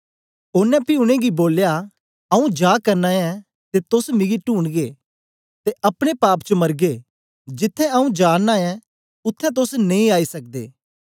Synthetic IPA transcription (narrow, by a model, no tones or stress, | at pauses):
ʊnɛ̃pɪʊɽ̃ẽɡiboːlja | ɐũd͡ʒaːkɐɾnaɛ̃ | t̪et̪ʊsmɪɡiʈuːɳɡe | t̪eʔɐpɽ̃epaːpt͡ʃəmɐɾɡe | d͡ʒɪt̪ʰːɛ̃ɐũd͡ʒaːnaɛ̃ | ʊt̪ʰːɛ̃t̪̬ʊsnẽĩaːisɐk̚d̪ḛː